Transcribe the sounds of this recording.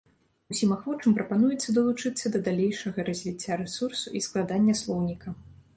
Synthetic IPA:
usʲimaxvɔt͡ʂɨmpɾɐpanujɛt̪sːɐd̪ɐlˠut͡ʂɨt̪sːɐd̪ɐd̪alʲejʂɐɣɐɾɐzʲvʲit͡sʲːaɾɛsursuʔisklˠad̪anʲːɐslˠɔwnʲikɐ

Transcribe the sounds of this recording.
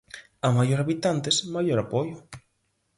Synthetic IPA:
amajoɾaβit̪ant̪esmajoɾapɔjʊ

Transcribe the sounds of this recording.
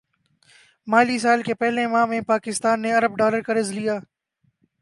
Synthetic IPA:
maːlis̬aːlkepɛɦlẽmãːmẽpaːkɪst̪aːnːeɐɾəb̚ɖaːləɾkaɾɪzlijaː

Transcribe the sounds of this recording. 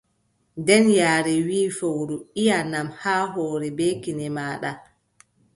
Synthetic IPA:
dɛnjaːɾɛwiːfowɾuijanːamhaːɦɔːɾɛbeːkinɛmaːɗa

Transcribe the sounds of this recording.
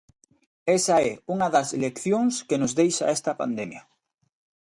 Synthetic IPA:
esaɛuŋaðɐselekθjõŋskenʊzðejʃa̰ɛst̪ɐpa̰nd̪emja

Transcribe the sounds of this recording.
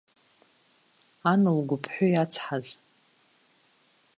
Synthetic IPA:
anɨlɡʷʊpʰħʷᶣʊjat͡sʰħaz

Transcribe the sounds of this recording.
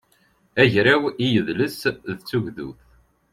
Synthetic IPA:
æʝɾawijəðləsðt͡sːuʝðṵθ

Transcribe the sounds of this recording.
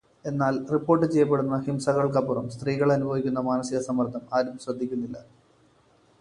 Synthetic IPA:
e̞nːaːlripːo̞ːrʈ̬ːɨt͡ɕejːɐp̬ːe̞ɽunːɐhimsɐɣɐɭkɐpːurɐmst̪riːɣɐɭɐnubʱɐʋikʲːunːɐmaːnɐsiɣɐsɐmːɐrt̪ʰːɐmaːɾumsrɐd̪ʱːikʲːunːilːɐ

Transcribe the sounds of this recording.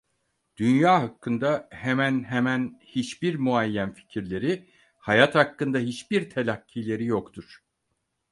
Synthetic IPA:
d̪̥ynjaːɦakʰːɯnd̪ahemænɦemænhit͡ʃbiɾmuajːænfi̥cʰiɾlʲe̞ɾi | hajat̪hakːɯnd̪aɦit͡ʃbiɾt̪ʰelʲacʰːiːlʲe̞ɾijokt̪ʰuɾ̥

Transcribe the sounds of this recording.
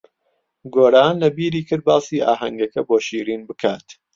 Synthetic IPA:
ɡoːɾaːnlɐbiːɾiːkʰɨɾd̪̚baːsiːʔa̰ːɦɐŋɡɐkɐboːʃiːɾiːnbɨkʰaːt̪

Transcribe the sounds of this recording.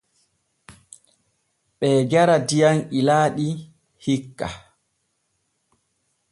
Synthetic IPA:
ɓɛːɡaɾadijanilaːɗi | hikːa̰

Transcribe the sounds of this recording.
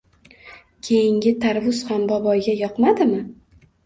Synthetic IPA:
kʲʰe̞jɪŋɡʲɪt̪ʰaɾvʊz̥hambɒbɒjɡʲajɒqmad̪ɪmɪ

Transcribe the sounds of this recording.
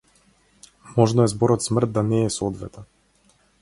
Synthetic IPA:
mɔʒnɔɛzbɔɾɔt̪smr̩t̪̚d̪anɛːsɔɔd̪vɛ̰t̪ɛn

